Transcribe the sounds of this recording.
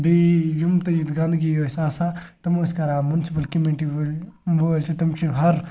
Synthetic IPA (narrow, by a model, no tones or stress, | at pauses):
bijumt̪ɐjit̪ɡɐ̃nd̪ɡijoːsʲaːsat̪ɐmoːsʲkɐɾaːmunsipɐlkimiɳʈi | oːlʲt͡ʃʰit̪ɐmt͡ʃʰiɦɐɾ